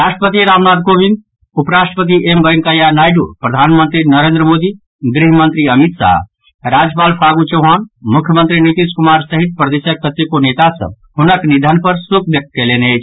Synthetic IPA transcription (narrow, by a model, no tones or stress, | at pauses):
ɾaʃʈəpət̪iɾamnaːd̪̚kobind̪ | upɾaʃʈəpət̪̬iʔemɡəjŋkəjanajɖṵpɾəd̪ʱanmənt̪ɾinəɾẽnd̪ɾəmod̪i | ɡɾiɦmənt̪ɾiəmit̪sa̰ | ɾad͡ʒpaːlpʰaɡut͡ʃəʊɦanmukʰjəmənt̪ɾinit̪iskumaɾsəɦit̪̚pɾəd̪esəkːət̪ːikonet̪asə̰̃ | hunəknid̪ʱənpəɾsuk̚ʰb̪jek̚t̪̚keleneɛt͡ʃʰ